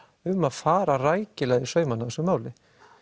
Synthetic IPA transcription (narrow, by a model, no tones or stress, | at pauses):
ʏmːaðfaːɾaraːjcɪlɛːɣðɪsœːɥmanaðɛsːʏmaːwlɪ